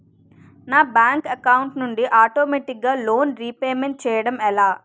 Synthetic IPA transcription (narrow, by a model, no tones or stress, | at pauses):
naːbaːŋkɐkɐwuɳʈnuɳɖiʔaːʈoːmeːʈik̚ɡaːlo̞ːnɾipeːmeɳʈ̚t͡ʃɛːjɐɽɐmɛlaː